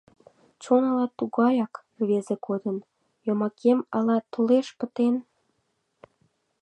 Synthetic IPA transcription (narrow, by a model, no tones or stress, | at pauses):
t͡ɕonɑlɑt̪uɣɑjɑk | βezekod̪ən | jomɑkʰemɑlɑt̪oleʃpət̪en